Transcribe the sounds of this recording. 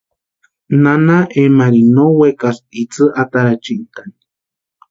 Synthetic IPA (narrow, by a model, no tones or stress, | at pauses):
nanaʔemaɾinowekasit͡sɨʔat̪aɾat͡ʃint̪ani